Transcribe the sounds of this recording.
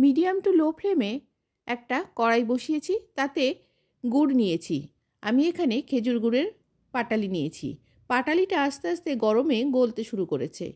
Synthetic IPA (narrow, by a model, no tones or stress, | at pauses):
miɖiamʈulopʰɾeme | ɛk̚ʈakɔɾajboʃiet͡ɕʰit̪at̪e | ɡuɽnijet͡ɕʰi | amiekʰanekʰed͡ʑuɾɡuɽeɾ | paʈalinijet͡ɕʰḭ | paʈaliʈaaʃt̪east̪eɡɔɾomeɡolt̪eʃuɾukoɾet͡ɕʰḛ